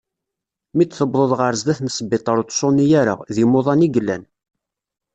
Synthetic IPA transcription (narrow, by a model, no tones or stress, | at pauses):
mit͡s̪ːθəbðˤoðˤʁəɾzd̪æθnəsəbːɪt̪ˤːɑɾot̪ˤsˤʊnijaɾə̰ʁðimʊðˤɑniɡəlːæ̰n